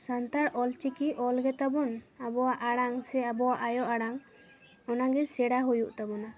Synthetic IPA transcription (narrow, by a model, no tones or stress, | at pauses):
sant̪aɽɔlt͡ʃikiʔɔlɡɛt̪abɔnabɔwaʔaɽaŋsɛabɔwaʔajɔʔaɽaŋ | ɔnaɡɛsɛɽaɦujuʔt̪abɔna